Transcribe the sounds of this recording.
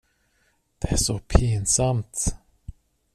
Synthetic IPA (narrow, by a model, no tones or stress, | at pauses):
d̪̥ɛæʂɔpʰinsamt̪